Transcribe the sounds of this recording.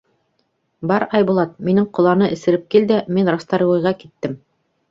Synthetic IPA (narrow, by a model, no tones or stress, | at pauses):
bɑɾɑjbulˠɑt̪̚minɘŋqŏlˠɑnɤʔɘ̆sɘ̆ɾɘp̚kild̪ɘminɾɑst̪ɑɾ̆wŏjʁɑkit̪ːɘm